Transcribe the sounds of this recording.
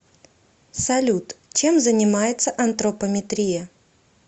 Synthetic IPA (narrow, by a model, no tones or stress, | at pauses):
sɐlʲut̪t͡ɕe̞mzənʲɪmajɪt̪səʔɐnt̪ɾəpəmʲɪt̪ɾʲijə